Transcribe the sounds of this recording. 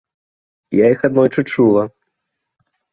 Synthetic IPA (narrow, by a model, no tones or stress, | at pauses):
jaixad̪nɔjt͡ʂɨt͡ʂulˠɐ